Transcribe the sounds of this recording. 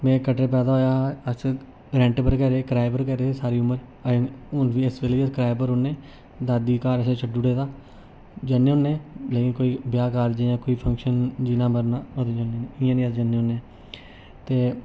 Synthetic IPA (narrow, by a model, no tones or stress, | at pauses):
mɛ̃ːkəʈeːpɛːd̪aːɦoːjaːəs | ɾɛ̃ːɳʈpəɾkəɾeːkɾaːɪbəɾkəɾeːsaːɾiːʊməɾ | ʊnʋiːɪsʋeliːəskɾaːjbəɾʊnẽː | d̪aːd̪iːkaːɾəsẽːt͡ʃʰəɖd͡ʒʊɽeːd̪aː | d͡ʒənːẽːʊːnːẽːleːkɪnkoːiːbjaːkaːɾd͡ʒãːkoːiːpʰə̃ŋkʃənd͡ʒiːnãːməɾnaːoːd̪eːd͡ʒaːnẽːniɪjãːnĩːəsd͡ʒənːeːoːnːẽː | t̪eː